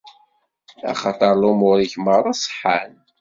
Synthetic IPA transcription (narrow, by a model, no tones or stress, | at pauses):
æ̰χɑt̪ˤəɾˤlʊmʊɾiçməɾˤɑsˤħːan